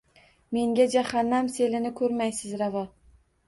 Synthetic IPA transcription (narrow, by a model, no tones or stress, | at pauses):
me̞ŋɡʲad͡ʒahanːamse̞lɪnɪkʰɵɾmajsɪzɾavɒ